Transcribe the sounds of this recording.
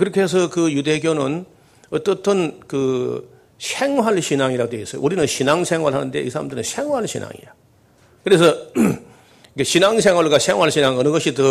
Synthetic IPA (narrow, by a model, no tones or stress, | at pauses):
kɯɾɯkʰeɦes̬ʰʌkɯjudeɡjonɯn | ʌt͈ʌtʰɯnkɯ | ɕʰeŋwaɭɕʰinaŋiɾadoeis͈ʌjo̰uɾinɯnɕʰinaŋsʰeŋwaɭɦanɯnde̞ḭs̬ʰaɾa̰mdenɯnɕʰeŋwaɭɕʰina̰ŋḭɾa | kɯɾe̞s̬ʰʌ | ikeɕinaŋsʰeŋwaɭɡaɕʰeŋwaɭɕʰinaŋʌnɯnɡʌɕʰitɯ